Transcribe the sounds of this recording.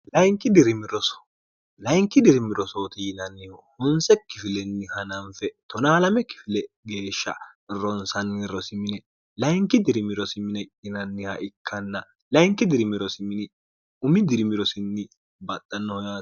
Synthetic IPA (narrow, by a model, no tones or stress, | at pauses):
lɐjŋkːɪd̪ɪɾɪmɪɾɔsɔ̥ | lɐjŋkːɪd̪ɪɾɪmɪɾɔsoːt̪ɪnɐnːɪjohʊnsɛkːɪfɪlɛnːɪhɐnɐɱfɛt̪ɔnaːlɐmɛkɪ̥fɪlɛ | ɡe̞ːʃːɐ̰ɪrɔnsɐnːɾɔsɪmɪnɛ | lɐjŋkːɪd̪ɪɾɪmɪɾɔsɪmɪnɛɪnɐnːɪhɐʔɪkːɐnːɐ | lɐjŋkːɪd̪ɪɾɪmɪɾɔsɪmɪnɪ | ʊmɪd̪ɪɾɪmɪɾɔsɪnːɪ | bɐt̪ʼːɐnːɔhɔjaː